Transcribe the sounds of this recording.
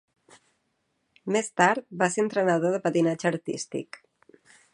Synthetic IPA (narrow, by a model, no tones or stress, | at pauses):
mest̪aɾt̪̚baseənt̪ɾənaðoðəpat̪inad͡ʒəːɾt̪ḭst̪ḭk